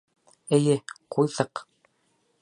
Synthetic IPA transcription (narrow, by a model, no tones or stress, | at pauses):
ɘ̆jɘqujðɤq